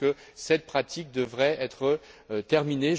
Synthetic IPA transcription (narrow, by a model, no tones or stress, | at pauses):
kə | sɛt̪̚pχat̪ʰik̚d̪əvʁɛɛt̪χət̪ɛʁmineʒ